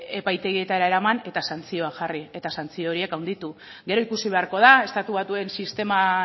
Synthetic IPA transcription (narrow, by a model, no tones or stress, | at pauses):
e̞pajt̪e̞ɣie̞t̪aeɾae̞ɾamane̞t̪asant͡sio̞aʝarie̞t̪asant͡sio̞oɾie̞kawnd̪it̪u | ɡe̞ɾo̞ikusiβe̞aɾko̞ð̞ae̞st̪at̪uβ̞at̪ue̞nsist̪e̞ma